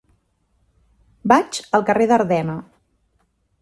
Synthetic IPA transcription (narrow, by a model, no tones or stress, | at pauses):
bat͡ʃəlˠkəreðəɾðɛnə